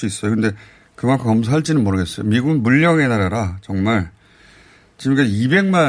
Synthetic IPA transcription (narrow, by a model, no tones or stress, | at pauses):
uis͈ʌjokɯnde̞ | kɯmankʰkʌmsʰaɦaɭt͡ɕ͈inɯnmoɾɯɡe̞s͈ʌjo̰miɡuɡɯnmuʎːʌŋe̞naɾaɾat͡ɕʌŋmaɭ | t͡ɕimikeibe̞ŋma